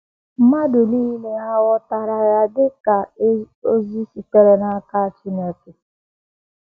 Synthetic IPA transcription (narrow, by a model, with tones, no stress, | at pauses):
m̩˦ma˦dʊ˨liː˦le˦a˦wɔ˦ta˨ɾa˨ja˨dɪ˦ka˨ | o˦zi˦si˨k͡pe˨ɾe˨na˦ka˦t͡ʃi˦ne˦ke˨